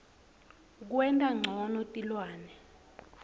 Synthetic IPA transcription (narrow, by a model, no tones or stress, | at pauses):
k̬wɛntʼaŋ͡ǀʱɔnɔtʼilwaːnɛ